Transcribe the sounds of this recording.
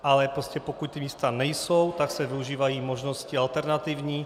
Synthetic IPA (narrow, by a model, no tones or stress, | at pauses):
ʔalɛpɾɔscɛpokuc̚t̪imiːst̪aːɲɛjsowt̪aksɛʋiuʒiːʋajiːmɔʒnɔscialt̪ɛɾnat̪ivɲiː